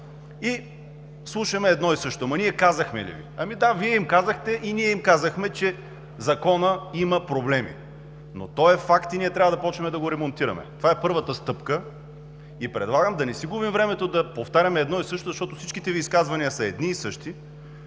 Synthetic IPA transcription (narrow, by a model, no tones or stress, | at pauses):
i | slˠuʃɐmɛːd̪nɔisɤʃt̪omɐniɛkazəxmɛ̰lḭvḭɐmid̪aviɛimkazɐxt̪ɛʔiniɛimkazəxmɛt͡ʃɛ | zɐkɔnəimɐpɾoblɛmḭ | no̰t̪ɔɛfakt̪iniɛt̪ɾʲavəd̪ɐpɔt͡ʃnɛmɛd̪ɐɡoɾɛmont̪iɾɐ̰mɛ̰t̪ovaɛpɤɾvət̪əst̪ɤpkə | ipɾɛd̪lˠaɡəmd̪ɐnɛsiɡubimvɾɛmɛt̪od̪ɐpoft̪aɾʲɐmɛɛd̪nɔisɤʃt̪ozɐʃt̪ɔt̪osit͡ʃkit̪ɛviːskazvɐniəsɐɛd̪niːsɤʃt̪i